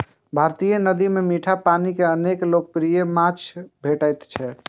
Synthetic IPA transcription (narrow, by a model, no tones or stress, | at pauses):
bʱaɾt̪ijənəd̪imemiʈʰapanikeəneklok̚pɾijemat͡ʃʰbʱeʈəjt̪t͡ʃʰɛ